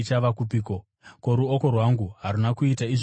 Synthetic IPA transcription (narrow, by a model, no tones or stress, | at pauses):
t͡ʃaʋakupiːko | ko̞ɾuoko̞rwaŋɡuɦaɾunakuitaiʐ